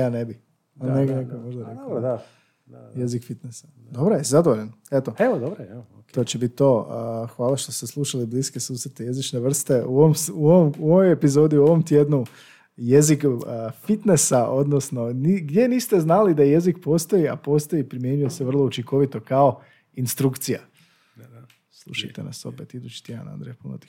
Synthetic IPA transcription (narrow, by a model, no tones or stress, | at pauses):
jaːnebi | aneɡonekomoʒd̪aɾed̪ | jezikfit̪nesḁ | d̪o̞bɾojezad̪oʋoʎanet̪oeod̪obɾ | t̪ot͡ʃebit̪̚t̪o̞xʋaːlˠaʃt̪ost̪eslˠuʃalibliːske̞suːsɾet̪ejezit͡ʃneʋr̩st̪euoomsuoʋomuoʋojepizo̞ːd̪iuo̞ʋo̞mt̪jed̪nu | jezikufit̪ne̞saʔo̞d̪nosno̞niɡd̪je̞niːst̪e̞znalid̪aje̞zikpo̞ːst̪o̞ia̰po̞ːst̪o̞ipɾimjeɲujo̞seʋr̩lˠo̞ut͡ʃiŋkʰo̞ʋit̪o̞kao | inst̪ɾukt̪sija̰ | slˠṵʃajt̪e̞̰na̰so̞̰pe̞t̪id̪ut͡ʃi̥t̪jed̪a̰na̰nd̪ɾejpuno̰t̪i̥